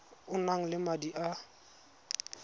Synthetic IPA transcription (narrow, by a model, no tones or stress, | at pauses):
ʊnaŋ̩lɪmadiʔa